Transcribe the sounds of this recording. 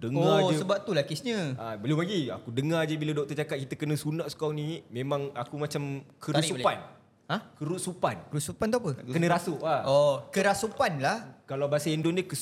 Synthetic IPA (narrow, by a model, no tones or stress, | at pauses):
dəŋoasəbap̚t̪ulakɪsɲə̃abəlipaɡia̰kudəŋad͡ʒəbiladɔk̚t̪ot͡ʃakat̪̚kit̪əkənə̃sunaʔsu̥kanimẽmãŋakumat͡ʃamkʰəɾussupan | ãkəɾut̪̚supankəɾut̪supant̪ɔapəkənə̃ɾasuʔaokəɾasupanlahkalawbasaɛndondəkə